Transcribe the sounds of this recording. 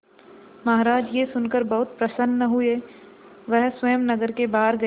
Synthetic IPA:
mɐɦɾaːd͡ʒjesʊnkəɾbɐɦʊt̪̚pɾɐsənːəɦʊe | ʋɛɦswɐjəmnɐɡəɾkebaːɾɡɐ

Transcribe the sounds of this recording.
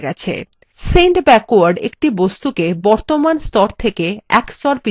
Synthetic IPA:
ɡɛt͡ɕʰḛ | seɳʈbɛkoaɾɖḛk̚ʈibost̪ukebɔɾt̪omanst̪ɔɾt̪ʰekeɛkst̪ɔɾpi

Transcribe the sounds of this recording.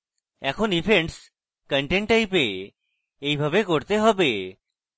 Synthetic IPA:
ɛkʰonipʰeɳɖs | kəɳʈeɳʈajpe | ejbʱabekoɾt̪eɦɔbe

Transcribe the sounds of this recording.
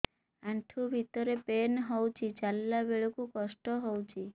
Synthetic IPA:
aɳʈʰubʱit̪ɔɾepenɦɔwt͡ʃʰit͡ʃalːabeɭɔkukɔsʈɔɦowt͡ʃʰi

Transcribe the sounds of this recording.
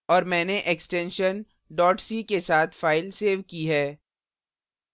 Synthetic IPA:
ɔːɾmɛ̃ːneʔeksʈɛ̃nʃən | ɖɔːʈsikesaːt̪ʰfaːɪlseːʋkiɦɛː

